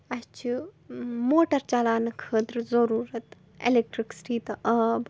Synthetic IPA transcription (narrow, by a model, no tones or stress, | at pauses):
ɐt͡ʃʰi | moːʈɐɾt͡ʃalaːnɐkʰəːt̪ɾɨzɐɾuːɾɐt̪ | ḛlek̚ʈɾiksi̥ʈiːt̪ɐʔɐb